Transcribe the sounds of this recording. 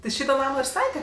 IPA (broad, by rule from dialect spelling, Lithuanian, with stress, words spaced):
tʲɪ ˈʃʲiːtoː ˈnɑːmoː ɪr ˈstɑːtʲɛ